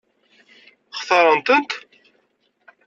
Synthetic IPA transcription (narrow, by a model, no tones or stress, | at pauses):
χθəɾˤənt̪ənt̪